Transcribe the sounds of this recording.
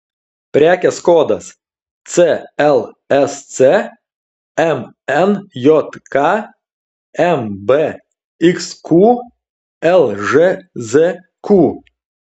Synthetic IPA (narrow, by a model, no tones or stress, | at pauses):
pʲɾʲæːkʲɛskoːd̪ɐs | t̪seɛlˠ | ɛsse | ɛm | ɛnjɔt̪kɑ | ɛmbe | ɪksku | ɛlˠʒeze | ku